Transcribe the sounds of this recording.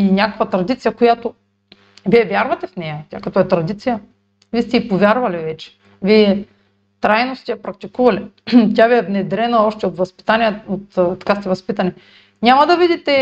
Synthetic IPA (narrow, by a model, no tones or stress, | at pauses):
inʲakə̥kvɐt̪ɾɐd̪it̪sijɐkojat̪o | viɛvjaɾvɐt̪ɛfnɛjɐt̪ʲjakɐt̪ɔɛt̪ɾɐd̪it̪sijə | viɛst̪ɛipovʲjaɾvɐlivɛt͡ʃɛ̥ | viɛ | t̪ɾajnost̪ɛjɐpɾɐkt̪ikuvɐlit̪ʲabiɛvnɛd̪ɾɛnɐɔʃt̪ɛot̪vɐspi̥t̪aniəot̪t̪ɐ̥kast̪ɛvɐspit̪ɐnɛ | nʲamɐd̪ɐvid̪it̪ɛ